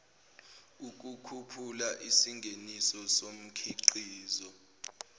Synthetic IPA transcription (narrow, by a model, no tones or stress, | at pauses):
uk̬ukʰupʰulaʔisiŋɡʱenisɔsom̩kʰiǃiːzɔ